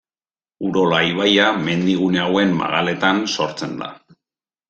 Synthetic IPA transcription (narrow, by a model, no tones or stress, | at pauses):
uɾo̞laiβ̞ajame̞nd̪iɣ̞une̞awe̞mːa̰ɣale̞t̪anso̞ɾt͡se̞nd̪a̰